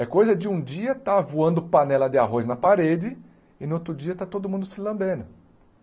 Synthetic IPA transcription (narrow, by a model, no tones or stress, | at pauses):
ɛkojzɐd͡ʒɪũd͡ʒiɐt̪avuɐ̃nd̪ʊpanɛlɐd̪ɪaɦojznɐpaɾed͡ʒɪ | ɪnot̪ɾʊd͡ʒiɐt̪at̪od̪ʊmũd̪ʊsɪlɐ̃mbẽnʊ